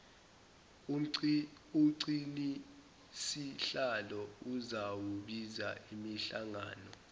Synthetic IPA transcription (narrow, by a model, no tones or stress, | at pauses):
uǀini | siɬalɔuzawuɓizaimiɬaŋaːnɔ